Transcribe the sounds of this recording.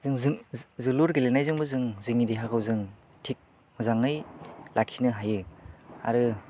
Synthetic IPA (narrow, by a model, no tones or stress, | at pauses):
zɯŋzɯzɯluɾɡelenajzɯŋbɯzɯŋzɯŋideɦakʰɯwzɯŋ | tʰik̚ | mɯzaŋɯjlʔakʰːinɯɦajɯa̰ɾɯ